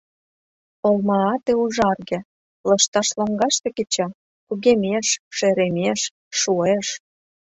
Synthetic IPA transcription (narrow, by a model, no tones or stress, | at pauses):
olmɑːt̪euʒɑrɣĕ | lɤʃt̪ɑʃloŋɡɑʃt̪eket͡ɕɑ | kuɣemʲeʃʃeɾemʲeʃː | ueʃ